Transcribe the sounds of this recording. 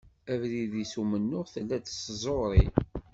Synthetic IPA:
ævɾiðisumənːʊʁθəlːæd̪szˤoɾˤi

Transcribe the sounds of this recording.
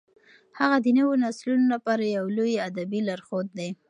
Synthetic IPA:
haɣad̪ənəwonaslunolapɑɾajawlojad̪abilaɾxod̪̚ːe

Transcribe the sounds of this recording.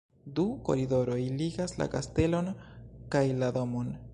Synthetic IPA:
duko̞̰ɾido̞ɾo̞jliɡasla̰kaste̞lo̞nkajlado̞mo̞n

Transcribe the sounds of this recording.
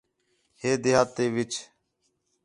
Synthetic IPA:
heːd̪eːɦaːt̪ːeːʋɪt͡ʃ

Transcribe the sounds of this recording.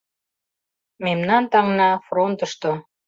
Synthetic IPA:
memnɑnt̪ɑŋnɑfront̪əʃt̪o

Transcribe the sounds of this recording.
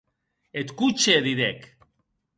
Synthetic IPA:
et̪kut͡ʃeðiðek

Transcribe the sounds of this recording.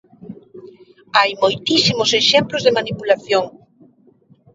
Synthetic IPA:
ajmojt̪isimʊseʃemplʊzðemanipulaθjoŋ

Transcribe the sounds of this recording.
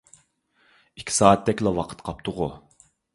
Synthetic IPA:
ikʲʰi̥sɑːt̪̚d̪ɛkʲlɛwɑqʰə̥t̪qʰɑp̚t̪ʰʊʁʊ

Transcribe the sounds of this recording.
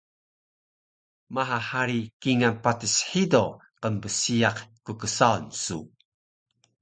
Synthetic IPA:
maɦahaɾikiŋanpatisħido | qəmbəsiaqkukəsaunsu

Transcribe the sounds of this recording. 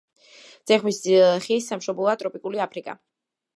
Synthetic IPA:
d̪z̥ɛχmisχisːamʃɔblˠɔat̪ʼɾɔpʼikʼuliapʰɾikʼa̰

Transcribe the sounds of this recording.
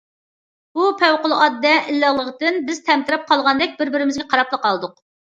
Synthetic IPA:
b̥upʰɛwqʊlˠɑd̪ːɛʔilːɑlˠəʁd̪ɨnbɪz̥t̪ʰɛmt̪ɪɾɪp̚qʰɑlˠʁɑnd̪ɛk̚ʲbɪɾbɪɾɪmɪzɡʲɛqʰɑɾɑplˠəqːɑlˠɨd̪ʊq

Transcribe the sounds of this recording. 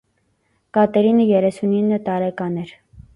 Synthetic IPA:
kɑt̪ɛɾinəjɛɾɛsuninːət̪ɑɾɛkɑnɛɾ

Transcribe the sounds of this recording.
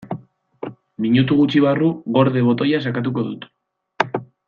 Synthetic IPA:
miɲut̪uɣut͡ʃiβaruɣo̞ɾðeβ̞o̞t̪o̞jas̬akat̪̬uko̞ðut̪

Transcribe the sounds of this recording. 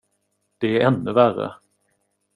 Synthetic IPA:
d̪̥ɛæɾɛnːɵværə̰

